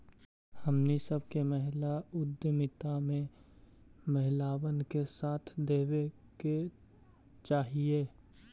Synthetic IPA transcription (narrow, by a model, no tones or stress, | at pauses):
hɐmnisɐbʱkeməɦɪlaʊd̪əmɪt̪amẽ | məɦɪlaːwənkesaːt̪ʰd̪eːwe | ke | t͡ʃaːɦieː